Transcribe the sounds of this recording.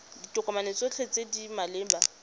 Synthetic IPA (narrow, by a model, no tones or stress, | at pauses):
ditʼʊkʼɔmanet͡sʼot͡ɬʰet͡sʼedimalɪːmba